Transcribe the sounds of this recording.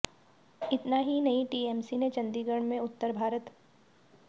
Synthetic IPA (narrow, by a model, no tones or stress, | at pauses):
ɪt̪naɦinɐĩʈiːɛːmsinet͡ʃɐ̃nd̪iːɡəɽ̃mẽʊt̪ːəɾbʱaːɾət̪